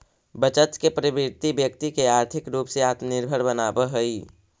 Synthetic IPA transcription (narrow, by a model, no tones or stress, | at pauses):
bət͡ʃət̪kepəɾɪbiɾt̪ibjəkt̪ikeaːɾt̪ʰɪkɾuːpseaːt̪mnɪɾbʱəɾbənaːbəɦəiː